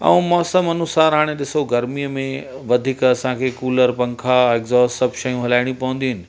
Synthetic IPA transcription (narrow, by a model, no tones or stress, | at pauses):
ɐ̰ũmɔːsəmɐnʊsaːɾɦaːɽ̃eɗɪsoɡɐɾmijəmẽʋɐd̪ʱiːkɐsãkʰekuːləɾpɐ̃ŋkʰaekzɔːssɐbʱʃɐjũɦɐlaːɪɽ̃ĩpɐʋə̃n̆d̪iɦʊnɪ̆